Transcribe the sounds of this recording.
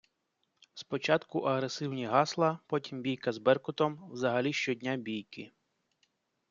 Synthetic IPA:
spɔt͡ʃɑt̪kʊʔɐɦɾesɪwnʲiɦɑslˠɐpɔtʲimbʲijkɐzbɛrkʊt̪ɔmwzɐɦɐlʲiʃt͡ʃɔdʲnʲabʲijkɪ

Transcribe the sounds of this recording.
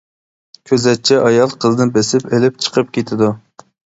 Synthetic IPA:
kʲʰøzɛt̪̚t͡ʃʰːɛʔɑjɑlˠqʰəzɨnɨbesɪpelɪp̚t͡ʃʰə̥qʰəp̚kʲet̪ʰɪd̪u

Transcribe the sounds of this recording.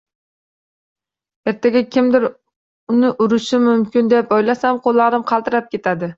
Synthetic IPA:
e̞ɾt̪ʰaɡʲakʲʰɪmd̪ɪɾ | ʊnɪʔʊɾɪʃɪmʊmkʲɪnd̪epojlasamqʰolˠːaɾɪmqʰɑlˠt̪ɪɾap̚kʲʰe̞t̪ʰad̪ɪ

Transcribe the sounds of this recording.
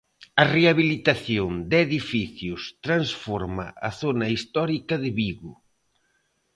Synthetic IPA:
ɐreaβilit̪aθjond̪eðifiθjʊst̪ɾansfɔɾmɐ̰ʔɐθonɐist̪ɔɾikɐðɪβiɣʊ

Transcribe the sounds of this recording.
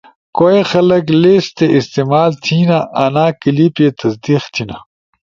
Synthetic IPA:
koexɐlɐkleːst̪eʔist̪eːmaːlt̪ʰinaʔɐnaːkəlipet̪ɐsd̪ixt̪ʰina

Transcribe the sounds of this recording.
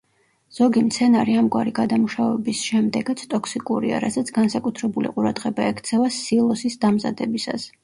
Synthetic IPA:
z̥ɔɡimt̪sʰɛnaɾiamɡwa̰ɾiɡad̪amuʃavɛbisʃɛmd̪ɛɡat̪sʰt̪ʼɔkʰsikʼuɾia̰ɾazat̪sʰɡansakʼut̪ʰɾɛbulḭqʼuɾad̪̥ʁɛbaɛkʰt̪sʰɛvasilˠɔsisd̪amza̰d̪ɛbisa̰s

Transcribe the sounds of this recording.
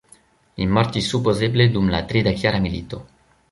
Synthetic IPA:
imɔɾt̪isupozebled̪umla̰t̪ɾid̪akjaɾamilit̪o

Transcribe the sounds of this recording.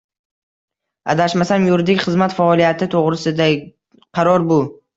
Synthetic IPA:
a̰d̪aʃmasamjʊɾd̪ɪkʲχɨzmat̪faɒlˠijat̪ʰɪt̪ʰoʁɾɪsɪd̪a | qʰɑɾɒɾbʊ

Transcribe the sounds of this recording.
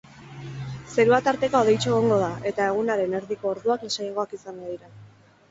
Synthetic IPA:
se̞ɾuat̪aɾt̪e̞kaoðe̞jt͡ʃeɣ̞oŋɡo̞ð̞aʔe̞t̪ae̞ɣ̞unaɾe̞ne̞ɾðiko̞ːɾðuaknasajŋɡo̞akisaŋɡoðiɾa

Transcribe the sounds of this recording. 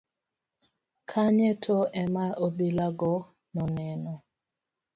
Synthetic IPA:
kʰaɲɛtʰɔɛmaobilaɡɔ | nɔnɛnɔ

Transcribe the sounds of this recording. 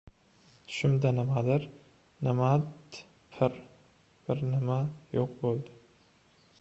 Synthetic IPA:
t̪ʰʊ̥ʃɪmd̪anɪmad̪ɪɾ | nɪmat̪ | pʰɪɾ | b̥ɪɾnɪmajoq̚bolˠd̪ɪ

